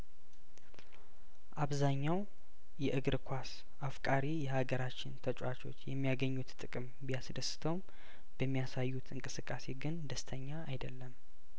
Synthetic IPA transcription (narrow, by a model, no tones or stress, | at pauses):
ʔaβzaɲːaw | jɛʔɨɡɾkʷʰas | ʔafkʼaɾijɛhaɡəɾat͡ʃːɪnt̪ʰət͡ʃʼwat͡ʃo̞̰t͡ʃːjɛmːijaɡəɲːut̪t̪ʼɨkʼɨm | bijasd̪əsɨ̥t̪ʰəwm | b̥əmːijasajːut̪ʰɨŋkʼɨsɨkʼːase̞ɡɨnd̪əst̪ʰəɲːaːjd̪əlːəm